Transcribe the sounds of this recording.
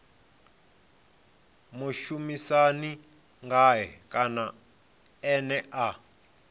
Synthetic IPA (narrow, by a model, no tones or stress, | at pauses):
muʃumisani | ŋɡaɦɛkʼana | ɛnɛʔa